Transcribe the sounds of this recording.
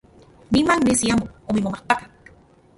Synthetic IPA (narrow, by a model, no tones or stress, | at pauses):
nimaŋnesiamoomimomaht̪akaŋ